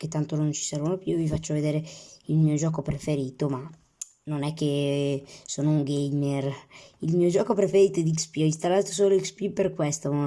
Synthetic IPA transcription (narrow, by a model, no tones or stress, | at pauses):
ket̪ːant̪onont͡ʃi̥sɛɾvonopjuvifat͡ʃːoved̪eːɾeilmiːod͡ʒɔːkopɾefeɾiːt̪oma | nonɛkːe | soːnouŋɡejmerilmiːod͡ʒɔːkopɾefeɾiːt̪oɛd̪ikspiɔist̪alːaːt̪o̥s̬oːloikspiperkwɛst̪om